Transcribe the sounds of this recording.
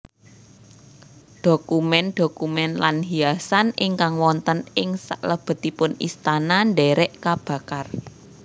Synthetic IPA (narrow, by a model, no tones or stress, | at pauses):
d̪̥o̤kumɛnd̪̥o̤kumɛnlanɦiasanɪŋkaŋwɔnt̪ənɪŋsa̰ʔləb̥ə̤t̪ipʊnḭst̪ananɖɛɾɛʔkab̥ä̤kar